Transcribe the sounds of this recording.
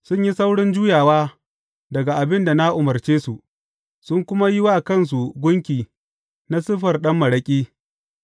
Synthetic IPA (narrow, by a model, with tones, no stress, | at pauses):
sʊ˦ɲji˦sa˦wɽɪ˦nd͡ʒuː˦jaː˨waː˦ | dɐ˨ɡa˨ʔa˨bɪ˦nda˨na˦ʔʊ˨mɐ˨rt͡ʃeː˦su˨ʔ | sʊ˦ŋkʷʊ˦ma˦jɪ˦wa˦kɐ˦˨ns̬u˨ɡʷʊ˦ŋkʲiː˨ | na˦sɪ˦ɸɐ˨rɗɐ˦mːɐ˨ɽɐ˦kʲʼiː˦